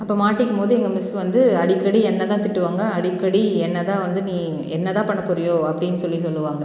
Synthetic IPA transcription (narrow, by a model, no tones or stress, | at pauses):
ɐpːɐːmaːʈːɪkːɯmpoːðɯɛŋɡɐmɪsʋɐnd̪ɯɐɽɪkːɐɽiɛnːɐt̪ãːt̪ɪʈːɯʋaːŋɡɐɐɽɪkːɐɽiɛnːɐt̪ãːʋɐnd̪ɯnĩː | ɛnːɐt̪ãːpɐɳːɐpːʊɾɐjoːɐpːɐɽɪnːɯsɔlːisɔlːɯʋaːŋɡɐ